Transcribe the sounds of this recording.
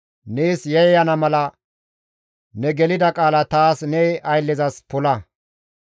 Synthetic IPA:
neːsjɛjjɐnɐmɐlɐ | nɛɡɛlɪd̪ɐkʼaːlɐt̪aːsnɛʔɐjlːɛzɐspɔlɐ

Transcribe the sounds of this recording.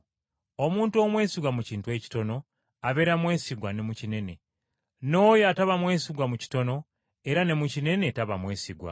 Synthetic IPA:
o̞muːntuo̞mwe̞ːsiɡwamuciːntue̞ːci̥to̞no̞ | aβe̞ːɾamwe̞ːsiɡwane̞mucine̞ne̞ | no̞ːjoataβamwe̞ːsiɡwamuci̥to̞no̞ | e̞ɾane̞mucine̞ne̞taβamwe̞ːsiɡwa̰

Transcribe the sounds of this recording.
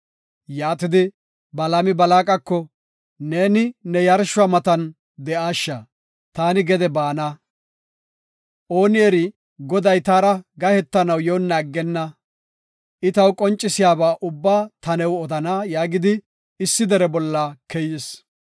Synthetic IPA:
jaːt̪ɪd̪ɪ | bɐlɐmɪbɐlaːkʼɐkːɔ | ne̞ːnɪnɛjɐɾʃʊaːmɐt̪ɐn | d̪ɛʔaːʃːa | t̪aːnɪɡɛd̪ɛbaːna | ʔoːnɪɛɾɪ | ɡɔd̪ɐjt̪aːɾɐɡɐhɛt̪ːɐnɐwjownːɐːɡːɛnːɐ | ʔɪt̪ɐwkʼɔnt͡ʃʼːɪsɪjaːbaːʔʊbːaːt̪ɐnɛwɔd̪ɐnaːjaːɡɪd̪ɪ | ɪsːɪd̪ɛɾɛbɔlːakɛjɪs

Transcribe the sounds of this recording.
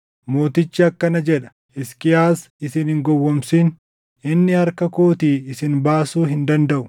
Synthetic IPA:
mo̞ːt̪ɪt͡ʃːɪɐkːɐnɐd͡ʒɛᶑɐ̥ | ɪskɪjaːs | ɪsɪnhɪŋɡɔwːɔmsiːn | ɪnːɪɐɾkɐkoːt̪iːɪsɪnbaːsuːɦɪnd̪ɐnd̪ɐʔʊ̥

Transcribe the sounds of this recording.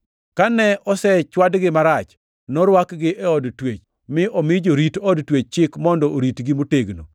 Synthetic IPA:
kanɛʔɔsɛt͡ʃwadɡɪmaɾat͡ʃ | nɔɾwakɡɪʔɛɔdtwet͡ʃ | mɪʔɔmɪd͡ʒoɾitɔdtwet͡ʃ̚t͡ʃɪkmɔndɔoɾitɡɪmoteɡno̰

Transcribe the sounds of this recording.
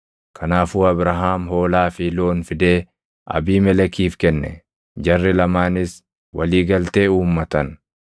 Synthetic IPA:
kʰɐnaːfuːɐbɾɐɦaːmɦo̞ːlaːfiːlo̞ːnfɪd̪e̞ː | ʔɐ̰biːmɛlɛkiːfkɛnːɛ̰ | d͡ʒɐrːɪlɐmaːnɪs | wɐliːɡɐlt̪e̞ːuːmːɐt̪ɐn

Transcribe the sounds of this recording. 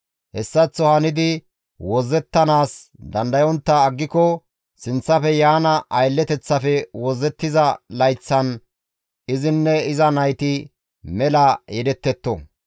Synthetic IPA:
hɛsːɐt͡sːɔhɐnɪd̪ɪ | wɔzːɛt̪ːɐnaːsd̪ɐnd̪ɐjɔnt̪ːɐːɡːɪkɔ | sɪnt͡sːɐfɛjaːnɐʔɐjlːɛt̪ɛt͡sːɐfɛwɔzːɛt̪ːɪzɐlɐjt͡sːɐn | ɪzɪnːɛɪzɐnɐjt̪ɪ | mɛlɐjɛd̪ɛt̪ːɛt̪ːɔ̰

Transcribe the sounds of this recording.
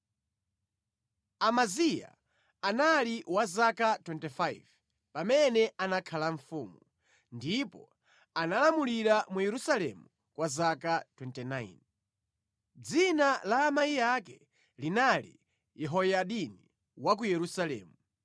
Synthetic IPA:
amazija̰ | analiwazakatwɛntɛfajv | pamɛnɛanakʰalaɱfuːmu | ndipɔ | analamuliɾamujɛɾusalɛ̰mu | kwazakatwɛntɛnain | d͡zinalaːmaijakɛ | linalḭ | jɛɦɔjaɗini | wak̬ujɛɾusalɛ̰ːmu

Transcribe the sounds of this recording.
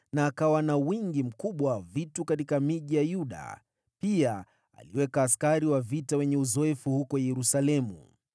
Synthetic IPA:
naːkawanawiŋɡim̩kuɓwavitukatikamiʄijajuɗa̰ | pia | a̰liwɛkaːskaɾiwavitawɛɲɛuzɔɛfuhukɔjɛɾusalɛmṵ

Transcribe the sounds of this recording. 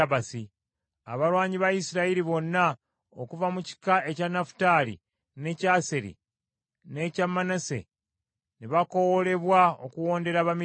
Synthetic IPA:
βasi | a̰βalwaːɲiβaisiɾaiɾiβo̞nːa | okuvamuci̥kaʔe̞canafu̥taːlḭ | ne̞caːseɾḭ | ne̞camːanase̞̰ | niβako̞wole̞βwao̰kuwo̞ːnde̞ɾaβami

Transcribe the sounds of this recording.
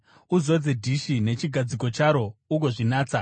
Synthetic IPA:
uzo̞d͡ze̞dʱiʃine̞t͡ʃiɡʱad͡ziko̞t͡ʃaɾo̞uɡo̞ʐinaːt͡sa

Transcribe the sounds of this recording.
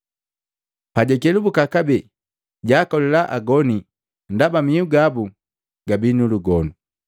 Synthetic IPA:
paɟɛkɛlubukakabɛ | ɟaːkɔlɛlaʔaɡɔni | ndabamiuɡabu | ɡabinuluɡɔnu

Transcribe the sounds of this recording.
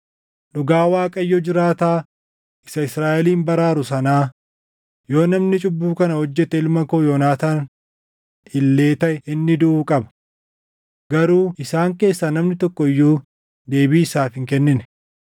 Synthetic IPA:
ɗʊɡaːwaːkʼɐjːɔd͡ʒɪɾaːt̪aː | ʔɪsɐɪsɾaːʔɛliːmbɐɾaːɾʊsɐnaː | jo̞ːnɐmnɪt͡ʃʼʊbːuːkɐnɐhɔd͡ʒːɛt̪ɛɪlmɐkoːjoːnaːt̪aːn | ɪlːe̞ːt̪ɐʔɛʔɪnːɪd̪ʊʔuːkʼɐbɐ̥ | ɡɐɾuːɪsaːŋke̞ːsːanɐmnɪt̪ɔkːɔɪjːuː | d̪e̞ːbiːɪsaːfɪŋkɛnːɪnɛ

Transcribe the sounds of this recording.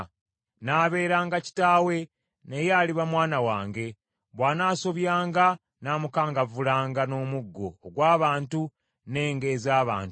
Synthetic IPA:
naːβe̞ːɾaːŋɡaci̥taːwe̞ | nejaːliβamwaːnawaːŋɡe̞ | βwaːnaːso̞βjaːŋɡa | naːmukaːŋɡavulaːŋɡano̞ːmuɡːo̞̰ːɡwaːβaːntu | ne̞ːŋɡe̞ːzaːβa̰ːnt

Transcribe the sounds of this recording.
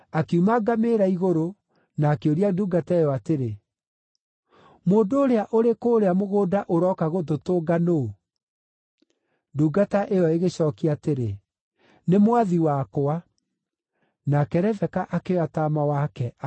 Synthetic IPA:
akeumaɡameɾaiɣoɾo | naːkeoɾiaduːɡataejɔateɾe | moːndoːɾeaʔoɾekoːɾeamoɣoːdaʔoɾɔkaɣototoːɡano | nduːɡataʔeɔeɣeɕɔːkiateɾe | nemoaðiwakoa | nakɛɾɛvɛkaʔakeɔataːmawakɛ

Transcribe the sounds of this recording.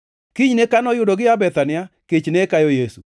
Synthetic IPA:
kiɲnekanɔjʊdoɡɪabɛt̪anɪaket͡ʃnekajɔjesu

